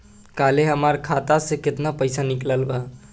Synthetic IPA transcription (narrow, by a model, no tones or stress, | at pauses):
kaleɦəməɾkʰat̪asẽkɪt̪napəjsanikləlba